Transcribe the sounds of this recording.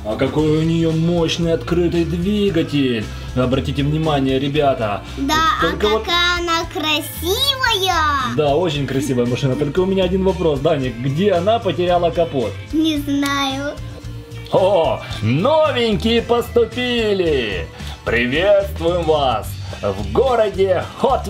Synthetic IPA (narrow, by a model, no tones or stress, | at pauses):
ɐkɐko̞jʊnʲɪjo̞mo̞ɕnɨjɐt̪kɾɨt̪ɨjd̪vʲiɡətʲɪlʲ | ɐbɾɐtʲitʲɪvnʲɪmanʲɪjəɾʲɪbʲat̪ə | d̪aolʲkəot̪kaɐnakɾɐsʲivəjəd̪ao̞t͡ɕɪnʲkɾɐsʲivəjəmɐʂɨnət̪o̞lʲkəʊmʲɪnʲaɐdʲinvɐpɾo̞sd̪anʲɪkɡdʲeɐnapətʲɪɾʲalˠəkɐpo̞t̪nʲɪznajʊ | onovʲɪnʲkʲɪjɪpəst̪ʊpʲilʲɪ | pɾʲɪvʲet̪st̪vʊjɪmvasvɡo̞ɾədʲɪxot̪